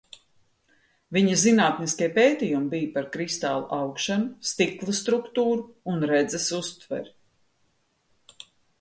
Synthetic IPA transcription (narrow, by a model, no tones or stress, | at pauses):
viɲɐzinaːt̪niskʲiɛpeːt̪iːjumbijpaɾkɾist̪a̰ːlˠṵʔawkʃanust̪iklˠast̪ɾukt̪uːɾuːnɾɛd̪zɛsust̪vɛ̰ɾ